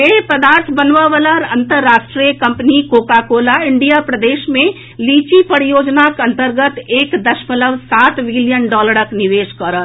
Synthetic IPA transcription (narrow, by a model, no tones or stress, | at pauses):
epəd̪aːɾt̪ʰbənʋaʋəlaɾɐ̃nt̪əɾːaːʃʈɾijəkɐ̃mpnikoːkaːkoːlaɪɳɖijapɾəd̪eːʃmẽ | liːt͡ʃipəɽijoːd͡ʒnakɐ̃nt̪əɾɡət̪eːkd̪ɐʃmələʋsaːt̪ʋɪlijənɖɔːləɾəknɪʋeːʃkɔɾət̪ʰ